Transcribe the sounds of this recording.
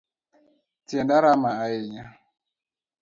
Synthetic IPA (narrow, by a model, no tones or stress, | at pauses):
tjɛndaɾamaaeɲa